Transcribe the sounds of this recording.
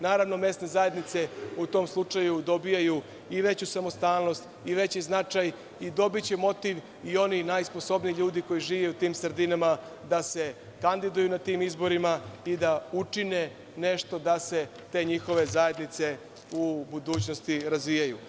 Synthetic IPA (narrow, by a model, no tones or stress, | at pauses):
naːɾaʋno̞me̞st̪ne̞zaje̞d̪nit̪se̞ut̪o̞ːmslˠut͡ʂajud̪o̞bijaju | iʋe̞t͡ɕusamo̞st̪aːlˠno̞st̪ | iʋe̞t͡ɕiznat͡ʂaj | id̪o̞bit͡ɕe̞mo̞t̪iʋ | io̞ninajspo̞so̞bnijiʎuːd̪iko̞jiʒiːʋeut̪iːmsr̩d̪inama | d̪ase̞ | kand̪id̪ujunat̪iːmizbo̞ɾimaid̪aut͡ʂine | ne̞ʃt̪o̞d̪ase̞ | t̪e̞ːɲixo̞ʋe̞zaje̞d̪nit̪se̞ | ubud̪uːt͡ɕno̞st̪iɾazʋijaju